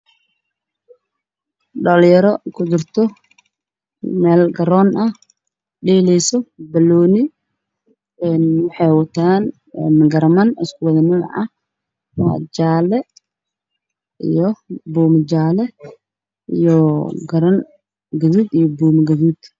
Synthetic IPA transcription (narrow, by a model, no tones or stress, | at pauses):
ɖɐljɐɾɔkʰʊd͡ʒɪrt̪ʰɔ | mɛːlɡɐɾɔːnʔɐh | ɖɛːlɛjsɔbɐlɔːnɪ | ɛːnwɑħɑjwɐt̪ʰaːn | ɛmɡɐɾmɐnɪskʰʊwɐðɐnɪn̰ʕɐh | wɑ̰ːd͡ʒaːlɛ | ḭjɔbuːmɪt͡ʃaːlɛ | ijɔɡɐɾɐn | ɡɐðuːd̪ijɔbuːmɐɡɐðuːd̪̥